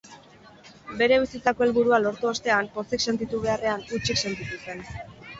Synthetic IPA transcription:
be̞ɾe̞β̞isit͡sako̞elβuɾualo̞ɾt̪uost̪e̞ampo̞sekse̞nt̪it̪uβ̞e̞are̞anut͡ʃikse̞nt̪it̪use̞n

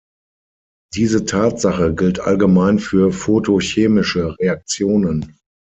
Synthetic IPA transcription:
d̥iːzətʰaːtz̥aχəɡɪltʔa̰lɡəmaɪnfyːɐfotʰoçeːmɪʃəʁeak̚t͡sjoːnən

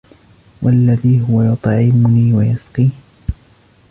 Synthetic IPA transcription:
wʔalːaðiːɦʊwajʊt̪ˤʕɪmʊniːwajasqiː

